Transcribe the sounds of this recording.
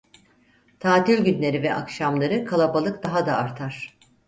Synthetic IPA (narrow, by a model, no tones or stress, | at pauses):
t̪ʰaːt̪ilʲɟynlʲe̞ɾivɛʔa̰kʃamlˠaɾɯkʰalˠabalˠɯkd̪aɦad̪aːɾt̪ʰaɾ̥